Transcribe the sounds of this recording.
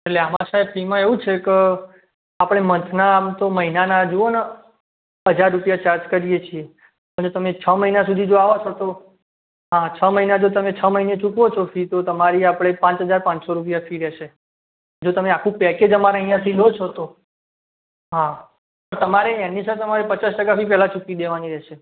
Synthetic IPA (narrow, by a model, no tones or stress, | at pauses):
eʈleamãsaepʰimãeʋũt͡ʃʰeke | apɽ̃emənt̪ʰnamt̪oməɦinanad͡ʒoona | əd͡ʒaɾːupijat͡ʃaɾt͡ʃkəɾijet͡ʃʰie | pəd͡ʒot̪əmet͡ʃʰəməɦinasud̪ʱid͡ʒoaʋot͡ʃʰot̪o | ɦãt͡ʃʰəməɦinad͡ʒot̪əmet͡ʃʰəməɦinet͡ʃukʋot͡ʃʰofʰit̪ot̪əmaɾiapɽ̃epãt͡ʃɦəd͡ʒaɾpãt͡ʃsoɾup̬jafʰiɾɛʃe | d͡ʒot̪əmeakʰũpɛked͡ʒəmaɾaəĩjãt̪ʰilot͡ʃʰot̪o | ɦã | pəɾt̪əmaɾeɛnisʰət̪əmaɾepət͡ʃasʈəkafʰipɛɦlat͡ʃukid̪eʋaniɾɛʃe